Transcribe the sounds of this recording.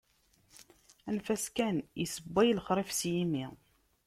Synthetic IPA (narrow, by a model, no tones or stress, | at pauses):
ænfæskænjisəbːæjlχɾˤɪfsjimi